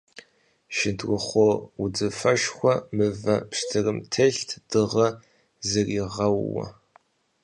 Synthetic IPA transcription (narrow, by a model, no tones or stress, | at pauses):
ʃɪntʰrʷʊχʷoʊd͡zɨfɐʃxʷɔmɨvɐpʂtʰɨrɨmtʰɐɬtʰd̥ɨʁɐ | zɨriʁɐwwɐ̰